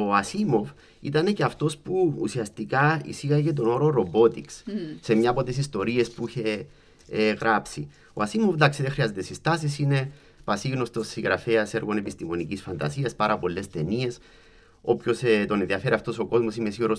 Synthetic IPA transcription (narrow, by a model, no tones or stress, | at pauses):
oɐsimo̞f | ḭt̪ɐne̞ceɐft̪o̞spṵːsiɐst̪ikɐḭsiɣɐʝe̞t̪̬o̞no̞ɾoɾo̞bo̞t̪iksːe̞mɲɐpo̞t̪esist̪o̞ɾie̞spuiçe̞ | ɣɾʔapsi | oɐsimofd̪aksiðexɾiɐze̞t̪esist̪ɐs̬isine̞ | pɐsiɣno̞st̪o̞sːiɣɾɐfe̞ɐse̞ɾɣo̞ne̞pist̪imo̞nicisfɐnd̪ɐ̰siɐspɐɾʔɐpo̞lːe̞st̪e̞nie̞s | o̞pço̞st̪o̞nenðiɐfe̞ɾiɐft̪o̞so̞ko̞zmo̞simesiɣoɾos